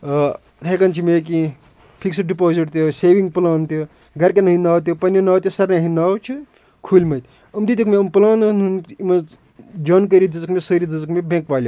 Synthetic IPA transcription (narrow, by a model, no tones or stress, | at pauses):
t̪ʰekɐnt͡ʃʰimeːk̬i | pʰiksiɖipoːziʈt̪joseːʋiŋɡpɨlaːnt̪jo | ɡɐɾkenɐɦinaːwt̪̬ʲjopɐnjonaːwt̪jisɐɾneɦindaːwt͡ʃʰu | kʰuːlʲmɐt̪ʲ | ɐmd̪it̪ʲikmeɐmpɨlaːnnunimɐ | d͡ʒɐːnkəɾid͡zɨzkmesəːɾid͡zɨzkmebʲẽŋkʋaːlʲo